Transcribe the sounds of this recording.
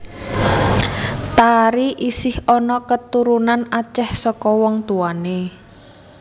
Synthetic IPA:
t̪aɾiʔisɪhɔnɔkət̪uɾunanat͡ʃɛhsɔkɔwɔŋt̪uane

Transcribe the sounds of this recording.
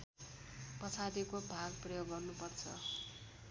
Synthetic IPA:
pʌt͡sʰaɾikobʱaɡprʌjoɡːʌrnupʌrt͡sʰʌ̰

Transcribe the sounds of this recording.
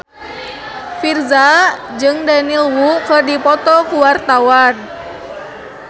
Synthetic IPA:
firzad͡ʒɨŋdanilwukərdipɔt̪ɔkuwart̪awan

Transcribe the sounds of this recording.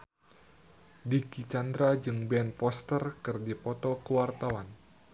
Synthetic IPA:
dikit͡ʃand̪ɾad͡ʒɨŋbɛnpɔst̪ərkɨrdipɔt̪ɔkəwart̪awan

